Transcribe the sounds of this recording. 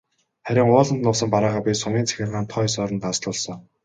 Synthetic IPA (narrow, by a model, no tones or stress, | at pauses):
χæɾʲɪ̆ŋʊːɮə̆nt̪nʊːsə̆mpaɾaːʁaːpʲisʊmiːnt͡sʰæ̥xʲɪ̆rʁaːnt̪ʰɔjsɔːɾɞ̆nt̪asɮʊːɮsɞ̆ŋ